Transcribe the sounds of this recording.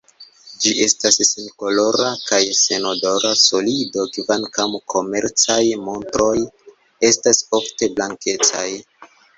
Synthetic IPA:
d͡ʒiʔe̞stasːinko̞lo̞ɾakajse̞no̞do̞ɾaso̞lido̞kvankamkʰo̞me̞ɾt͡sajmo̞ntɾo̞j | e̞staso̞fte̞blaŋke̞t͡sa̰j

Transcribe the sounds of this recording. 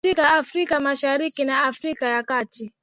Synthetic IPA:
ikaafɾikamaʃaɾikinaafɾikajakati

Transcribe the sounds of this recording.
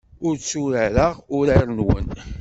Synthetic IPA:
ʊɾt͡sːuɾəɾəʁʊɾaɾˤnwə̰n

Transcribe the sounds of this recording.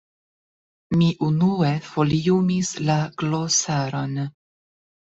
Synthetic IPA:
miʔunue̞foliumislaɡlosaɾon

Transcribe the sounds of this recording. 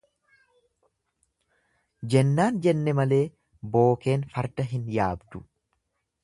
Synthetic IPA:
d͡ʒɛnːaːnd͡ʒɛnːɛmɐle̞ː | bo̞ːke̞ːnfɐɾd̪ɐɦɪnjaːbd̪ʊ

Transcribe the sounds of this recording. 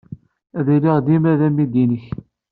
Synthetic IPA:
æðiliʁd̪imæðæmid̪inəç

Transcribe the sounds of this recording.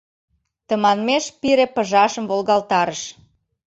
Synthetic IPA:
t̪əmɑnmeʃpiɾepə̆ʒɑʃəmvolɣɑlt̪ɑɾəʃ

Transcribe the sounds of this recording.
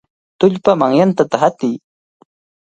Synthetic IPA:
t̪ʊʎpamaŋjant̪at̪aɦat̪ɪj

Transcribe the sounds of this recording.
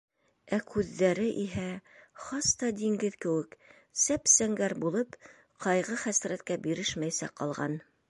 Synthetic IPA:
ækʉðːæɾɘʔiɦæχɑst̪ɑd̪iŋɡɘðkɘ̆wɘk | sæpsæŋɡæɾbulˠɤp | qɑjʁɤχæsɾæt̪̚kæbiɾɘʃmæjsæ̰qɑlˠʁɑ̰n

